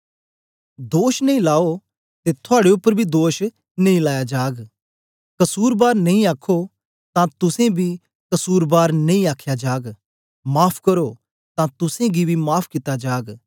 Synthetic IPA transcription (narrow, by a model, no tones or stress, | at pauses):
d̪oːʃnɐĩlaːo | t̪et̪ʰʊaːɽeʊpːəɾbʱid̪oːʃ | nɐ̃ĩlaːjad͡ʒaːɡ | kɐsuːɾbaːɾnɐĩaːkʰo | t̪ãt̪ʊsẽbʱi | kɐsuːɾbaːɾnɐ̃ĩaːkʰjad͡ʒaːɡ | maːpʰkɐɾo | t̪ãt̪ʊsẽɡibʱimaːpʰkɪt̪ːad͡ʒaːɡ